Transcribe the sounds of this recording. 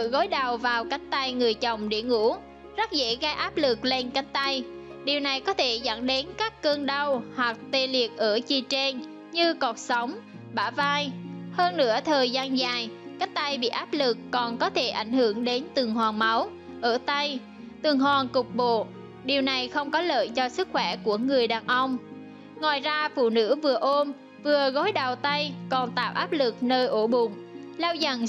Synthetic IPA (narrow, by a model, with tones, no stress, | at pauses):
ɨ̰˧ɣo˨˦jɗa˨˩wvaː˨˩wka˨˦˥jŋ̟t̪a˧jŋɨ˨˩əjt͡ɕə˨˩wŋ͡mɗḛ˧˩əŋṵ˧˥ | zə˦˥t̚zḛ˧˥ɣaː˧jʔaː˦˥p̚lɨ˨˩k̚le˧nka˨˦˥jŋ̚t̪a˧jɗi˨˩əwna˨˩jkɔ˨˦t̪ʰe˧˩zə̰˧˩nɗe˨˦nkaː˦˥kːəː˧ŋɗə˧whwa˨˩k̚t̪e˧˩li˨˩ək̚ʔəː˧˩t͡ɕi˨˩t͡ɕɛ˧n | ɲɨ˧kɔ˨˩t̚sə˨˦wŋ͡m | ɓaː˧˩vaː˧jhəː˧nːɨ̰˧˥ət̪ʰəː˨˩jzaː˧nzaː˨˩jkaː˦˥k̚t̪a˧jɓḭ˧˨ʔaː˦˥p̚lɨ˨˩kːɔ˨˩nkɔ˨˦t̪ʰe˧˩ʔa˧˩jŋ̟hɨ˧˩əŋɗe˨˦nt̪ɨ˨˩əŋɦwaː˨˩ŋma˨˦w | ʔəː˧˩t̪a˧j | t̪ɨ˨˩əŋɦwaː˨˩nkʊ˨˩k͡p̚ɓo̰˧˨ | ɗi˨˩əwna˨˩jxə˧wŋ͡mkɔ˨˦lə̰ː˧˨jt͡ɕɔ˧sɨ˦˥k̚xwɛ˧˩ku˧˩əŋɨ˨˩əjɗaː˨˩nʔə˧wŋ͡m | ŋwaː˨˩jzaː˧fṵ˧˨nɨ̰˧˥vɨ˨˩əʔo˧m | vɨ˨˩əɣo˨˦jɗa˨˩wt̪a˧jkɔ˨˩nt̪a̰ː˧˨wʔaː˦˥p̚lɨ˨˩k̚nəː˧jʔo˧˩ɓʊ˨˩ŋ͡m | laː˧wzə˨˩n